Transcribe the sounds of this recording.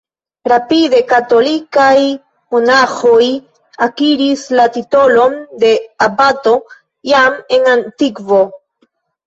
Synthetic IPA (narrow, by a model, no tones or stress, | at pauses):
ɾapide̞kato̞likaj | monaxo̞j | akiɾislatito̞lo̞nde̞abato̞ | jame̞ŋantikvo